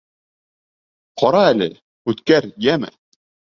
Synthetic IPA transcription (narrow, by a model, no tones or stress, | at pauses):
qʰɒɾɑælɘ̰ | ʉt̪kæɾjæmɘ̰